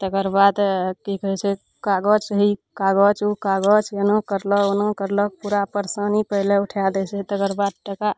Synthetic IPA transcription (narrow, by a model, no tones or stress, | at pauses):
t̪əɡəɾbad̪kikəɦɛt͡ʃʰɛ | kaɡəd͡ʒɦikaɡəd͡ʒukaɡəd͡ʒjənəkəɾləkonəkəɾlək̚puɾapəɾsənipəɦleuʈʰjad̪ɛt͡ʃʰɛt̪əɡəɾbad̪̚ʈəka